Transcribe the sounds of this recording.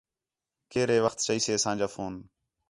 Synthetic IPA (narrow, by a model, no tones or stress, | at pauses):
keːɾeːʋəxt̪t͡ʃəiːseːəsãːd͡ʒaːfoːn